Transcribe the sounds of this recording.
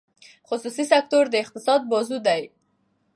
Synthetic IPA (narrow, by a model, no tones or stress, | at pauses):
χʊsusisak̚t̪oɾd̪əɪq̚t̪ɪsɑd̪̚bɑzud̪aj